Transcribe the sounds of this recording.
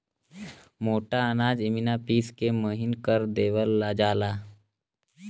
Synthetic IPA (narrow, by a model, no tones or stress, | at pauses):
moːʈaənaːd͡ʒɪminapiːskeməɦɪnkəɾd̪eːʋəlːad͡ʒaːlaː